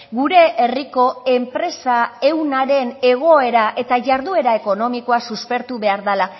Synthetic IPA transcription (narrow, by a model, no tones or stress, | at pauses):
ɣuɾe̞ʔeriko̞e̞mpɾe̞sae̞wnaɾe̞ne̞ɣ̞o̞e̞ɾaʔe̞t̪aʝaɾðue̞ɾaeko̞no̞miko̞asuspe̞ɾt̪uβe̞aɾðala